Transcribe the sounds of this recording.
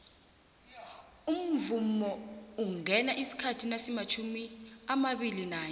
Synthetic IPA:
um̩vumɔuŋʱɛnaʔisi̥kʰatʰinasimat͡ʃʰumiamaɓilinaːj

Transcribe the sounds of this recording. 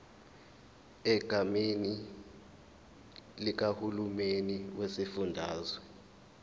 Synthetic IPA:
ɛɡ̥ʱameni | lik̬ahulumeniwesifundʱaːzɔ

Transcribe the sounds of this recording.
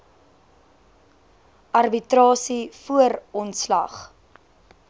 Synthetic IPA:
ʔɐrbitrɑːsifuərɔntslɐ̰χ

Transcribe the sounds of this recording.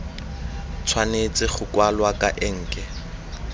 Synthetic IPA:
t͡sʰwanet͡sʼɪχʊkwalwakʼa̰ʔɪŋ̩ːkʼɛ

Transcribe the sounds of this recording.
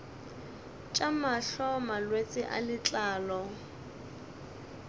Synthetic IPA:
t͡ʃʼamaɬɔmalwet͡sʼɪʔa̰lɪt͡ɬʼaːlɔ

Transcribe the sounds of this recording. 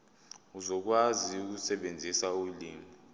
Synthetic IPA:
uzɔk̬waziuk̬usɛɓend͡zʱisauliːmi

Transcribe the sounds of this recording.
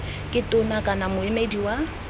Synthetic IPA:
kʼɪtʼʊnakʼanamʊemediwa

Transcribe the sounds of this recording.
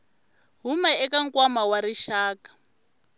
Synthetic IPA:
ɦumaɛkaŋkwamawaɾiʃaːkḁ

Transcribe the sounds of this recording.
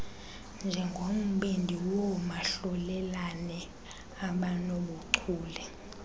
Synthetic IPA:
nd͡ʒʱɛŋɡʱom̩ɓendʱiwɔmaɬɔlɛlanɛ | aɓanɔɓuǀʰuːlɛ

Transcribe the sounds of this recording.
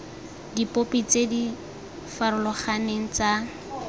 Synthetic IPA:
dipopit͡sedi | faɾʊlɔχaneŋ̩t͡sa

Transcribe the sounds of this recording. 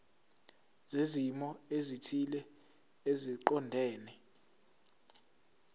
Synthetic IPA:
zezimɔezitʰilɛ | eziǃɔndʱɛːnɛ

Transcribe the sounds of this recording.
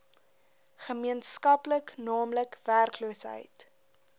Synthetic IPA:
χəmiənskɐpləknɑːmləkværkluəsɦə̰jt

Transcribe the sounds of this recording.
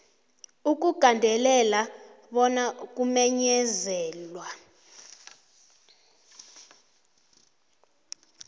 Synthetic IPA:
uk̬ʼuɡ̥ʱandʱɛlɛla | ɓɔnak̬ʼumɛɲɛzɛːlwa

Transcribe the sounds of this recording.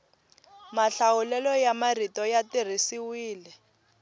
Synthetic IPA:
maɬawʊlɛlɔjamaritɔjatir̤isiwiːlɛ

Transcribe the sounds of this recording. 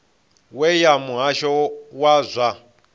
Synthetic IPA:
wɛjamuɦaʃɔwazʷa

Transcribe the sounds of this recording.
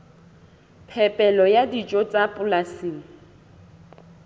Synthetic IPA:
pʰɛpʼɛlɔjadit͡ʃʼɔt͡sʼapʼʊlasiːŋ̩

